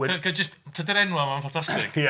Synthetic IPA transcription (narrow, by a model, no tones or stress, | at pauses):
ɛɡəd͡ʒəsttʰːədəɾɛnwamanfantʰastɪk